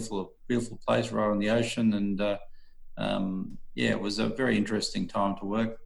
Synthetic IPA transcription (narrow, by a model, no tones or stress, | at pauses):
fl̩ˠ | wʉfl̩ˠpʰl̥eɪsɹa̰ʊ̃n̩ðioʊʃɨ̃nɨ̃nʌ | ʌ̰̃mjæ̰ɪ̰ʔ̚wʌzɨ̰vɛɹiɪ̃nt͡ʃɹ̥ɨstɪ̃ŋtʰãɪ̃mtʰəwɜ˞k̚